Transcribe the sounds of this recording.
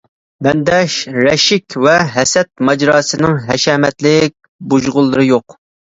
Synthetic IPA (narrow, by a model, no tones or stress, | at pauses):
bɛnd̪ɛʃɾɛʃɪkʲvɛɦɛsɛt̪̚mɑd͡ʒɾɑːsɨnɪŋɦɛʃɛːmɛt̪lɪk̚ʲ | buʒʁʊlˠːɨɾɨjoq